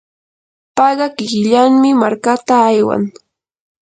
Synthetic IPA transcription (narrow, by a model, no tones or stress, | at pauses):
pɑɢɑkɪkɪʎaŋmɪmaɾkat̪aːjwa̰ŋ